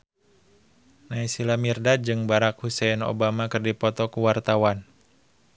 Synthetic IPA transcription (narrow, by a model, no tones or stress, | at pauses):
naisilamirdad͡ʒɨŋbaɾak̚husɛno̰bamakɨrdipɔt̪ɔkuwart̪awan